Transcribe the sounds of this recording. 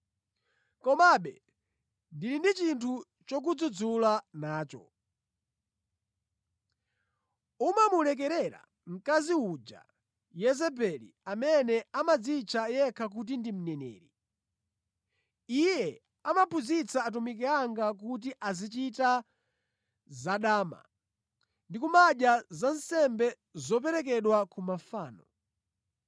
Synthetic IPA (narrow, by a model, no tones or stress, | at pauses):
kɔmaɓɛ | ndilindit͡ʃintʰu | t͡ʃɔk̬ud͡zud͡zulanaːt͡ʃɔ̰ | umamulɛk̬ɛɾɛɾa̰ | m̩kaziud͡ʒa̰ | jɛzɛpɛlḭ | amɛnɛamad͡zit͡ʃʰajɛkʰak̬ut̬indim̩nɛnɛ̰ːɾi | ijɛ | amapʰuzit͡saːt̬umik̬ɛaŋɡak̬ut̬iʔazit͡ʃita | zaɗaːma̰ | ndikumaʄjazansɛmbɛ | zɔp̬ɛɾɛk̬ɛɗwakumafaːnɔ